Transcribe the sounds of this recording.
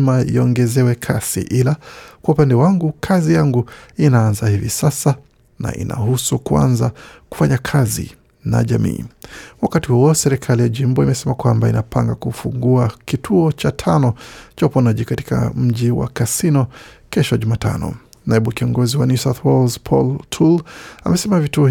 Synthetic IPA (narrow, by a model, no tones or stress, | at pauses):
maḭɔŋɡɛzɛwɛkʰasḭʔilakwaupandɛwaŋɡukʰazijaŋɡuinaanzahivisasa | na̰ʔḭnʔa̰husukua̰nzaku̥faɲakʰazḭ | na̰ʄamḭːwakatihuɔsɛɾikʰalijaʄim̩bɔimɛsɛmakwambainapaŋɡakufuŋɡuakitʰuɔt͡ʃatʰanɔt͡ʃaupɔnaʄikati̥ka̰m̩ʄiwa̰kasinɔkɛʃɔʄumaːta̰nɔ̰ | naɛɓukiɔŋɡɔziwanusaθwɔlzpʰɔ̰ltʰulamɛsɛmavituɔ